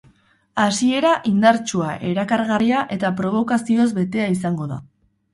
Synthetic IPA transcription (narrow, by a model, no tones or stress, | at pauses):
asie̞ɾaʔind̪aɾt͡ʃuaʔe̞ɾakaɾɣariaʔe̞t̪apɾo̞β̞o̞kasio̞zbe̞t̪e̞aisaŋɡo̞ða̰